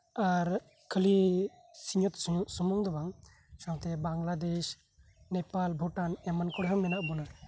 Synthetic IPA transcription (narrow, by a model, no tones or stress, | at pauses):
aɾ | kʰəli | siɲɔt̪sumɔŋd̪ɔbaŋ | sawt̪ɛbaŋlad̪ɛʃ | nɛpalbʱɔʈanɛmankɔɽɦaŋmɛnaʔbɔna